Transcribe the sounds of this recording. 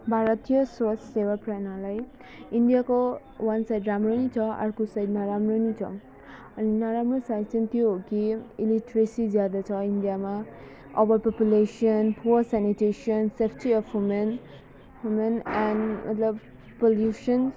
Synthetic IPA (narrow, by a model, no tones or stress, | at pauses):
bʱaɾʌt̪ijʌswɔsːewapranalaj | indijako | wʌnsajdramronit͡sʰʌa̰ɾkosajdnaɾamronit͡sʰʌ̰ | ʌninaɾamrosajdsʌnt̪joɦokiiliʈɾesizjad̪at͡sʰʌindijama | ʌbʌpɔpjuleʃiʌnpuʌsaniʈeʃiʌnsepʰʈiʌfwumen | ɦumenɛnmʌ̰t̪lʌb | poljuʃʌn